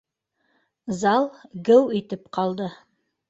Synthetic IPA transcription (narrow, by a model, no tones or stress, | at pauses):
zɑlˠɡɘwet̪ɪpqʰɑlˠd̪ə